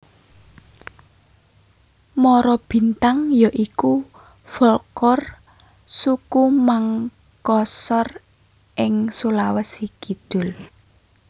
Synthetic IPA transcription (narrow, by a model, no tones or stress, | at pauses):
mɔɾɔb̥i̤nt̪aŋjaʔiku | fɔlkɔr | sukumaŋ | kɔsɔr | ʔɪŋsulawəsiɡ̥id̪̥ʊ̤l